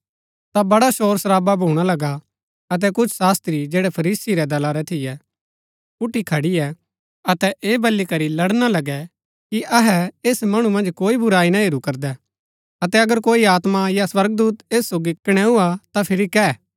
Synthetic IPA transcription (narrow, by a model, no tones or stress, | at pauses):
t̪abɐɽaʃoːɾsɾaːbabʱuːɽ̃alɐɡa | ɐt̪̬ɛkʊt͡ʃʰsaːst̪ɾid͡ʒeːɽɛpʰɐɾiːsiɾɛd̪ɐlaɾɛt̪ʰɪjɛ | pʊʈːikʰɐɽiɛ | ɐt̪ɛʔeːbɐlːikɐɾilɐɽnalɐɡɛ | kiʔɐɦɛeːsmɐɽ̃ũmɐ̃nd͡ʒkoːibʊɾaːinaɦeɾukɐɾd̪ɛ | ɐt̪ɛɐɡəɾkoːiaːt̪majaswɐɾɡ̚d̪uːt̪eːsːoːɡikɐɽ̃ɛ̃ɦuat̪apʰɪɾikɛ